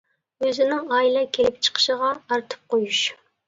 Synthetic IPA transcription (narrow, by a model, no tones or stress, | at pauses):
øzɪnɪŋɑːilˠɛkʲʰelɪpt͡ʃʰə̥qʰə̥ʃəʁɑːɾt̪ʰɨ̥p̚qʰojuʃ